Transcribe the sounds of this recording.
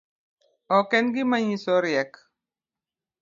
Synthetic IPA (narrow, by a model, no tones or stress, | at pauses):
ɔkɛnɡimaɲĩsɔɾjɛk